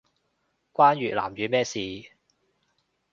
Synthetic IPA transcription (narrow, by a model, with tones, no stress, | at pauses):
kʷaː˥nɥyː˨la̰ː˨˩mɥyː˨˧mɛː˥siː˨